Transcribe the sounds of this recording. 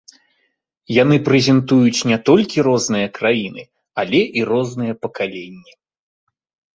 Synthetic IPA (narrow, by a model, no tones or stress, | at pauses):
janɨpɾɛzʲɛnt̪ujut͡sʲnʲɛt̪ɔlʲkʲiɾɔznɨjɐkɾajinɨ | alʲɛʔirɔznɨjɐpɐkalʲenʲːɛ